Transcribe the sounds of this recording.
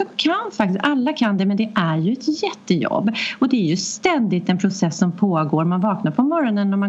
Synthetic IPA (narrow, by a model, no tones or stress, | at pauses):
ɔkʰanfak̚t̪ɪst̪alːakʰand̪ɛmɛnd̪ɛʔæɾjɵɛt̪jɛt̪ːəjɔ̰bːɔd̪ɛæɾjɵst̪ɛnd̪ɪt̪ɛnpʰɾʊsɛsːɔmpʰoːɡoːɾmanvɑːknaɾpʰɔmɔɾɔnənɔma